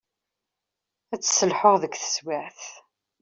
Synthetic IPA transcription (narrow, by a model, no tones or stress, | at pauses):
æt͡sːsəlħoʁðəkθə̥swaʕθ